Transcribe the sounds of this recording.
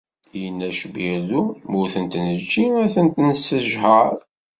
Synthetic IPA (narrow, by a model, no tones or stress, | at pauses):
jənːæʃəbæðumʊθənt̪nət͡ʃːiæθənt̪nəsəʒħəɾˤ